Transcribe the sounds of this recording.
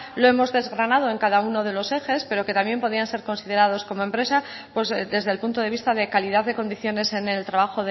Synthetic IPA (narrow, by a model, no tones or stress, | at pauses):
lo̞e̞mo̞zðe̞zɣɾanað̞o̞e̞ŋkaðauno̞ð̞e̞lo̞se̞xe̞spe̞ɾo̞ke̞t̪amje̞mpo̞ð̞ianse̞ɾkonsið̞e̞ɾað̞o̞sko̞moempɾe̞sa | pwe̞zd̪e̞zðe̞lpunt̪o̞ð̞e̞βist̪aðe̞kaliðaððe̞ko̞nd̪iθjo̞ne̞sene̞lt̪ɾaβaxo̞ðe